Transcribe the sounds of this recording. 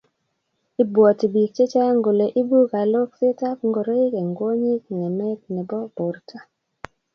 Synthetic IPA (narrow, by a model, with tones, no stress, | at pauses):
i˨bwɔ˨ti˨bi˨k̚t͡ʃe˦t͡ʃa˦ŋɡo˨le˨ʔi˦bu˦ka˨lo˦ksi˦ta˦p̚ŋɡo˨ɾo˦i˦ke˨ŋɡwo˦ɲi˦k̚ŋɛ˨mɛ˦k̚nɛ˨bɔ˦bo˨rtʰa˦